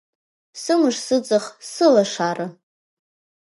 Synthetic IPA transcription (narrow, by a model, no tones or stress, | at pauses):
sɨmɨʂsɨt͡sʼɨχsɨlaʂarɨ